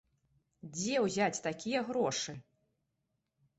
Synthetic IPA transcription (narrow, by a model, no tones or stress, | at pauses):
d͡zʲɛwzʲat͡sʲt̪akʲijɐɣɾɔʂɨ